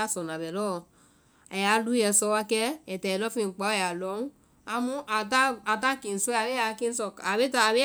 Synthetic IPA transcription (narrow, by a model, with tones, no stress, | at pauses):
a˦˨sɔ˨na˨bɛ˨lɔ˦˨˧ | a˨ja˨˦lu˦jɛ˧sɔ˧wa˧kɛ˦ɛ˨tɛ˨ɛ˨lɔ˦fi˦˧˨k͡pɔ˨˦˨ja˨lɔ˨˦u˦ | a˧mũ˦ʔa˨ta˦a˨ta˦˨ki˨n̩˨su˦˨a˨be˦a˧ki˦n̩˦sɔ˧˨a˨be˦ta˧˦˨ɾe˦